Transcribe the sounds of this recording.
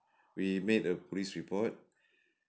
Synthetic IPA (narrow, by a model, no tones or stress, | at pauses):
wimedəpʰolisɹipʰɔt̚